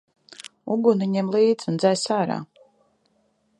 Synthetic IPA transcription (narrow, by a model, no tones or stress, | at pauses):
uɡuniɲɛmlˠiːd̪zʲund̪zajsaːɾa̰ː